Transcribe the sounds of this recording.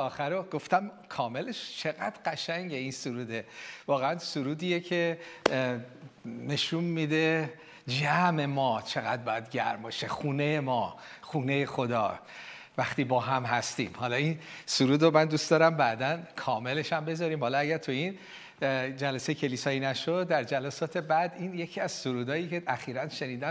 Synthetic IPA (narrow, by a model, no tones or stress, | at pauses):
ɒːxæɾoɡo̞ft̪æm | kʰɒːme̞le̞ʃt͡ʃʰe̞ɣæ̰d̪̥ɢæʃæŋɟe̞insuɾuːd̪e̞vɒːɣeænsuɾuːd̪iːjecʰe̞ | ne̞ʃunmid̪e̞ | d͡ʒæme̞mɒːt͡ʃʰe̞ɣæd̪̚bɒːjæd̪ɟæ̰ɾmoʃexuːne̞jemɒːχuːnejexo̞d̪ɒ̰ː | væxt̪iːbɒːɦæmhæst̪ḭːmhɒlɒinsuɾuːd̪ɾomænd̪ustd̪ɒːɾæmbæd̪ænkʰɒːme̞le̞ʃæmbe̞zɒɾiːmhɒlɒæɡæɾt̪ʰuin | d͡ʒælæsejecʰe̞liːsɒːiːnæʃod̪ːæɾd͡ʒælæsɒːt̪ʰe̞bæd̪inje̞cʰiːæz̥suɾuːd̪ɒːjiːceʔæxiːɾænʃe̞niːd̪æm